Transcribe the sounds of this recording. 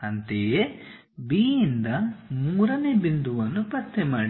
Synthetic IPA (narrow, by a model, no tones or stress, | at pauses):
ɐnt̪eje | biːind̪ɐmuːɾɐne̞ːbind̪uʋɐnːupɐt̪ʰːemaːɽi